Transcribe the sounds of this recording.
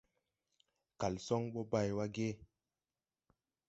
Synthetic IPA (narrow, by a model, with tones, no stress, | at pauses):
ka˨lsɔ˦ŋɓɔ˦ba˦˨jwa˦ɡe˦